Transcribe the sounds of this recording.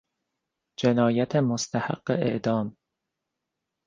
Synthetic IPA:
d͡ʒenɒːjæt̪ʰemost̪ʰæha̰ɡ̥ːḛḛʔd̪ɒːm

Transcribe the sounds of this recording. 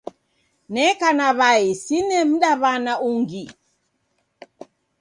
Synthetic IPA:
nɛkanaβaisinɛm̩ɗaβanauŋɡi

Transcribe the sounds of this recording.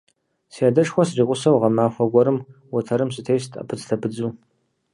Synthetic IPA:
siadɐʂxʷɔsriːqʷʼʊsɐwʁɐmaːfʷɐɡʷɔɾɨmwʊtʰɐɾɨmsɨtʰejstʰa̰pʰɨt͡stʰɐpʰɨd͡zuː

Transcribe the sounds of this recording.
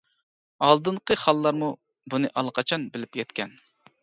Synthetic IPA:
ɑlˠd̪ɨɴqʰəχɑlˠlːˠɑɾmu | bunɨʔɑlˠqʰɑt͡ʃʰɑnbɪlɪpjɛt̪kʲɛn

